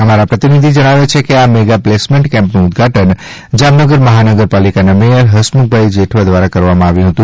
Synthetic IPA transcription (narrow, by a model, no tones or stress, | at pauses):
əmaɾapɾət̪inid̪ʱid͡ʒəɽ̃aʋet͡ʃʰekeameɡaplesmẽɳʈkɛ̃mpnũʊd̪ɡʱaʈən | d͡ʒamnəɡəɾməɦanəɡəɾpalikanamejəɾɦəʃmuk̚bʱajd͡ʒeʈʰʋad̪ʋaɾakəɾʋamãaʋjũɦət̪ũ